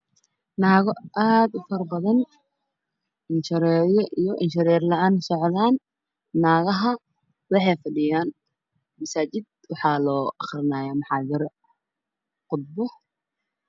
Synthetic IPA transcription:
naːɣɔʔaːd̪ʊfɐrbɐðɐn | ɪnʃɐɾɛːjɔʔijɔʔɪnʃɪɾɛːrlɐaːnsɔʕðaːnː | aːɣɐɦɐ | wɑħɑjfɐɖɪjaːn | mɐsaːt͡ʃɪd̪̚ | wɑħɑːlɔːʔɐχrɪnaːjaːmɑħaːdɪɾɔ | qʊd̪bɔ

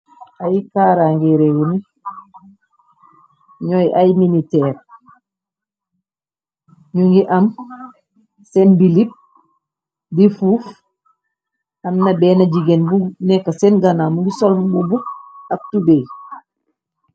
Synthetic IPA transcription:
ʔajkaːɾaŋɡiɾewuni | ɲojʔajminitɛːɾ | ɲuŋɡiʔam | sɛnbilip̚ | difuːf | amnabɛːnaɟiɡenbunɛkːasɛnɡanamuŋɡisolmbubuk̚ak̚tubej

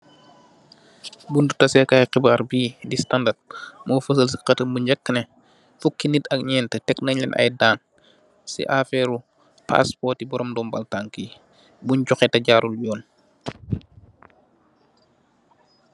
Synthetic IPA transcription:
bundutɐsɛkaːjqibaːɾbiːdistandat̚mɔːfəsəlsi̥qɐtəmbuɲɟɐkːnɛ | fukːinitɐk̚ɲɛːntətɛknɐɲlɛnʔɐ̰jdaːn | sḭʔafɛɾu | pa̰spɔtibɔɾɔmdɔːmbɐ̰ltaŋki | bunɟɔxɛtɐɟaːɾulɟɔːn

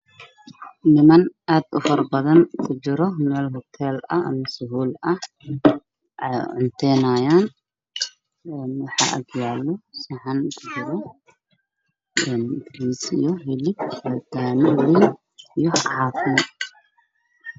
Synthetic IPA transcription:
nɪmɐnʔaːd̪ʊ̰fɐrbɐðɐnkʰʊt͡ʃɪɾɔmɛːlɦɔt̪ʰɛːlɐ̰ɐ̰mɐsʊɦuːlɐh | ʔɛjʕʊnt̪ʰɛːnaːjaːn | ɛːnwɑħɑ̰ːʔɐ̰ɡjaːlːɔsɑʕɑnkʰʊt͡ʃɪɾɔ | ɛnɡɪɾiːsḭjɔɦɪlɪbɐd̪aːnɪli | ijɔʕɑːfɪmɔ

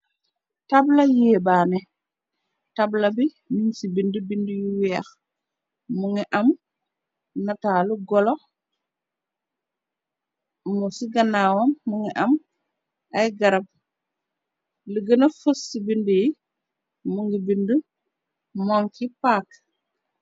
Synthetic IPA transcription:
tablajɛbaːnɛ | tablɐbi | minsibindubindujiwɛːx | muŋiʔɐm | nataluɡɔlɔ | musiɡanawamːuŋiʔam | ajɡaɾɐp̚ | ləɡənafusːibinduji | muŋɡibindu | mɔŋkipaːk

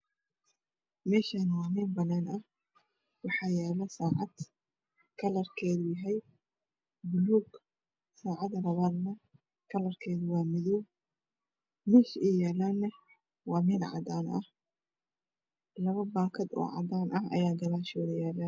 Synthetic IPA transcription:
mɛːʃaːnwɑːmɛːnbɐnaːnɐh | wɑħɑːjɛːlɐsaːʕɑd̪ | kʰɐlɐrkʰɛːðʊjɐɦɛj | bʊluːɡ | saːʕɑd̪ɐlɐβaːd̪nɐ | kʰɐlɐrkʰɛːðʊwɑːmɪðɔ | mɛːʃɛjɛːlaːnːɐ | wɑːmɛːd̪ʕɑ̰d̪aːnɐ̰h | lɐβɐbaːkʰɐd̪ɔ̰ːʕɑ̰d̪aːnʔɐɦɐ̰jaːɡɐɾaːʃɔːðɐjɛːlɐ

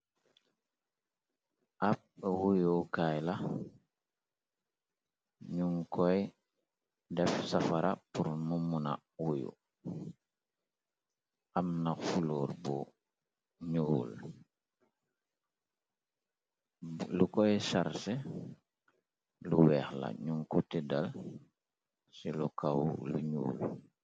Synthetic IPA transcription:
ʔap̚wujukajla | ɲuŋkɔj | dɛfsafaɾʔapuɾmumuna̰ | wujṵ | ʔamnafulɔːɾbu | ɲuːl | lukɔjsaɾsɛ | luwɛːxla̰ɲuŋkutɛdal | silukawlṵɲṵːl

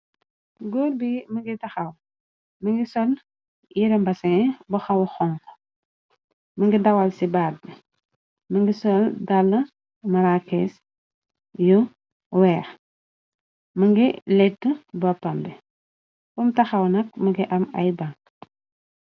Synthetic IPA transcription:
ɡɔːlbimɐŋɡitɐxɐw | mɐŋɡisɔl | jiɾɐmbɐsɛbɐxɐwxɔŋk | mɐŋɡidɐwɐlsibaːd̚bi | mɐŋɡisɔldalːɐ | mɐɾakɛs | ju | wɛːx | mɐŋɡilɛtːəbɐpːɐmbɛ | kumtɐxɐwnɐk̚mɐɡiʔɐmɐ̰jbɐŋ

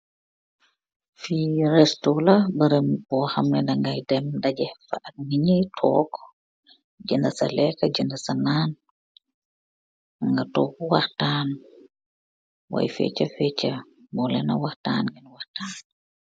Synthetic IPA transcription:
fiɾɛstolabəɾembɔhamnɛndaŋɡajdɛmdaɟɛfaʔat̚ŋiɲitʰɔ̰k | d͡ʒəndasalɛkad͡ʒəndasanan | ŋɡatɔkuwahtaːn | wa̰jfɛ̰t͡ʃafɛt͡ʃa | mɔlɛ̰na̰wahta̰ːnɡinwahtaːn

